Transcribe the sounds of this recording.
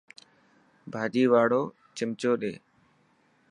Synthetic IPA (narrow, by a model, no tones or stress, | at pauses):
bʱaːd͡ʒiːʋaːɽoː | t͡ʃɪmt͡ʃoːɗḛː